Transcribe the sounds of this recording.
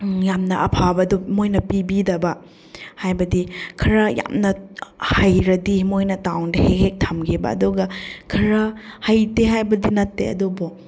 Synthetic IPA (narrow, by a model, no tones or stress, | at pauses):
jamnɐʔɐpʰabɐdomojnɐpibidɐbɐ | hajbɐdikʰɐɾɐja̰mnɐhajɾɐdimojnɐtawdɐhek̚hek̚tʰɐmɡʰibɐ̰ɐ̰duɡɐkʰɐɾɐhajteɦajbɐdinɐtːeɐ̰dobo